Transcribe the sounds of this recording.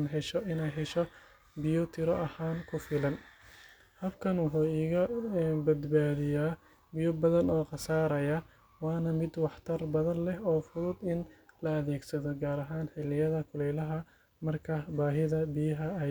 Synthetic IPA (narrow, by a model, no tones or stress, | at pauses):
nɦɛʃɔʔɪnɛjɦɛʃɔ | bɪjɔt̪ʰɪɾɔʔɐhaːnkʰʊfɪlɐn | hɐbkʰɐnwʊħuːiːɣɐbɐd̪baːðɪjaː | bɪjɔbɐðɐnɔːqɑsaːɾɐjɐ | wɑːnɐmɪd̪wɑħt̪ʰɐrbɐðɐnlɛɦɔːfʊðʊd̪ɪnlɐɐðɛːɡsɐðɔɡaːɾɐɦaːnħɪlɪjɐðɐkʰʊlɛjlɐɦɐ | mɐrkʰɐbaːɦɪðɐbɪjɐɦɐɛ